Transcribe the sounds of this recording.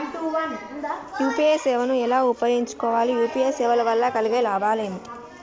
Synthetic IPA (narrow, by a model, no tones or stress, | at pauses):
juːpieːsɛːʋɐnuɛlaːupːɐɾiɲt͡ʃu̥kɔːʋaːlijuːpieːsɛːʋɐlɐʋɐlːɐkɐliɡeːlaːbaːleːmiʈi